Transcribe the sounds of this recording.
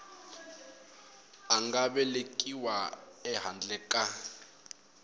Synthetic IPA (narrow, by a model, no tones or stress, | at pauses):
aŋɡaɓɛlekʼiwaɛɦand͡ɮʱɛkʼa